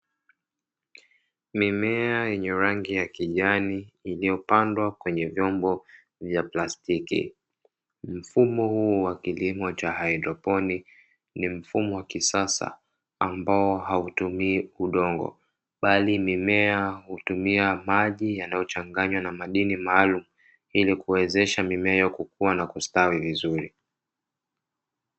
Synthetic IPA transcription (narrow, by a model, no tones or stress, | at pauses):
mimɛajɛɲɛɾaŋɡijakiʄaniːlijɔpandwakwɛɲɛvjɔmbɔ | vjaplastikḭ | m̩fumɔhuwakilimɔt͡ʃahaidɾɔpɔni | nim̩fumɔwakisasa̰ | ambaɔɦautumiːuɗɔŋɡɔ̰ | ɓalimimɛahutumiamaʄijanajɔt͡ʃaŋɡaɲwanamaɗinimaːlumu | ilikuwɛzɛʃamimɛajɛɔkukuwanakustawivizuɾi